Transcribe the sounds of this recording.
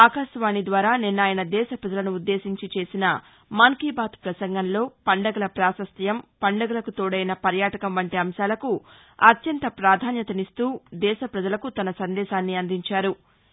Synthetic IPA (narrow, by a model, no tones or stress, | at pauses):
aːkaːʃʋaːnid̪ʋaːɾaːninːaːjɐnɐd̪ɛːʃɐpɾɐd͡ʒɐlɐnuːd̪ːe̞ːsiɲt͡ʃit͡ʃe̞ːsinɐ | mɐŋkiːbaːt̪pɾɐsɐŋɡɐnlo̞ːpɐɳɖɐɡɐlɐpɾaːsɐst̪ɐjɐmpɐɳɖɐɡɐlɐkut̪oːɽɐjnɐpɐɾjaːʈɐkɐmʋɐɳʈiɐmʃaːlɐku | ɐt̪jɐnt̪ɐpɾaːd̪ʱaːnjɐt̪ɐnist̪uːd̪ɛːʃɐpɾɐd͡ʒɐlɐkut̪ɐnɐsɐnd̪ɛːʃaːnːiɐnd̪iɲt͡ʃaːɾu